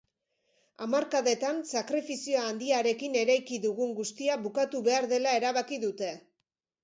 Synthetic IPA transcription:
amaɾkaðe̞t̪ansakɾefisioaːnd̪iaɾe̞kine̞ɾajkiðuɣuŋɡust̪iaβukat̪uβe̞aɾðe̞lae̞ɾaβakiðut̪e̞

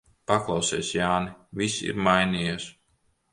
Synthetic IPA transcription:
paklˠɑwseːsjaːnivisḭɾmajniːjes

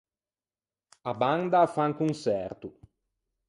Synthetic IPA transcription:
aband̪afaŋkunsɛrt̪u

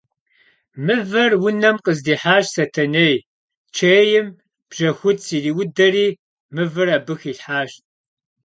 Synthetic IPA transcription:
mɨvɐrwʊnɐmqəzdiːħaːʃsɐtʰɐnej | t͡ʃʰeːjɪm | b̥ʒ̥ɐxʷʊtsiːriːwʊdɐriː | mɨvɨraːbɨxiːɬħaːɕt̚ʼ

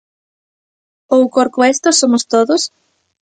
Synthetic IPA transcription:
owkoɾkʊest̪osomʊst̪oðʊs

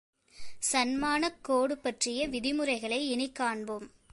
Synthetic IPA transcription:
sɐnmaːnɐkːoːɽɯpːɐʈrɪjɐʋɪðɪmɯrɐɪɣɐɭɐɪɛnɪkːaːɳbɯm

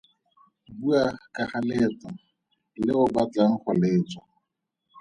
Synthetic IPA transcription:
buakʼaχalet͡sa | lɪʊbat͡ɬaŋ̩χʰaleːt͡sʼɔ

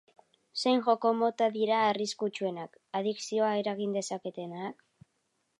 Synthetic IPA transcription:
se̞jŋʝo̞ko̞mo̞t̪aðiɾaːriskut͡ʃue̞nak | aðiksio̞aeɾaɣind̪e̞sake̞t̪e̞naːk

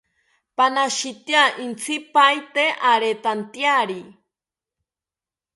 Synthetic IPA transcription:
panaʃit̪jaʔint͡sʰipajt̪eʔaɾet̪ant̪jaɾi

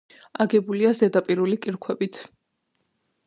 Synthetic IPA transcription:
aɡɛbuliazɛd̪apʼiɾulikʼiɾkʰwɛbit̪ʰ

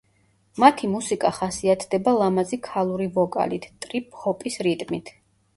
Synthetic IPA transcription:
mat̪ʰimusikʼaχasiat̪ʰd̪ɛbalˠamazikʰalˠuɾivɔkʼa̰lit̪ʰt̪ʼɾipʼhɔpʼisɾit̪ʼmit̪ʰ

